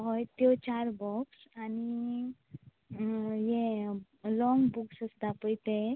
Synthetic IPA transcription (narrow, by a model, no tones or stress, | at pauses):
ɦɔjt̪jot͡ɕaɾbɔks | ani | je | lɔ̃ŋɡbuksəst̪apəjt̪e